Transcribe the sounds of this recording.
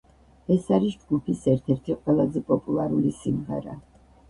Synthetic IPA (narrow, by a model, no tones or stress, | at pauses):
ɛsaɾisd͡ʒɡupʰisɛɾt̪ʰɛɾt̪ʰiqʼwɛlˠazɛpʼɔpʼulˠaɾulisimʁɛ̰ɾa̰